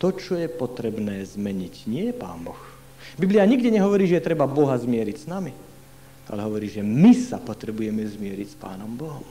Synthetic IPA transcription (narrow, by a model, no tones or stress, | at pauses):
t̪ɔt͡ʃɔjɛpɔt̪ɾɛbnɛːzmɛɲicɲɪɛjɛpa̰ːnbɔx | bibliaɲiɡdɛɲɛɦɔʋɔɾiːʒɛjɛt̪ɾɛbabɔɦazmɪɛɾicsnami | a̰lɛɦɔʋɔɾiːʒɛmisapɔt̪ɾɛbujɛmɛzmɪɛɾicspa̰ːnɔmbɔɦɔm